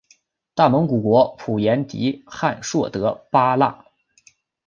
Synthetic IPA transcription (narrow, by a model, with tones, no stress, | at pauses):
t̪a˥˩mɤ˧˥ŋku˨˩kwɔ˧˥pʰu˨˩jɛ˧˥nt̪ḭ˧˥xa̰˥˧nʂwɔ˥˩t̪ɤ˧˥pa˥la̰˥˩